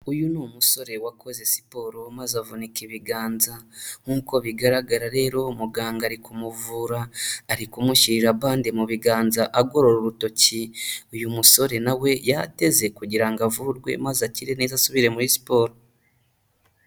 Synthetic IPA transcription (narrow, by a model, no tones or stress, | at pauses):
ujunumuso̞ɾe̞wakʰo̞ze̞si̥po̞ːɾo̞mazavunekeβiɡaːnzaŋ̥uːko̞βiɡaɾaɡaɾaɾe̞ːɾo̞muɡaːŋɡaɾikumuvuːɾaːɾikumuçiɾiɾaβaːndimuβiɡaːnzaʔaɡo̞ɾo̞ɾoɾuto̞ciujumuso̞ɾe̞nawe̞jate̞ze̞kuɟiɾaŋɡavuɾɡwe̞̰mazaciɾeneːzasuβiɾe̞muɾisi̥po̞ːɾo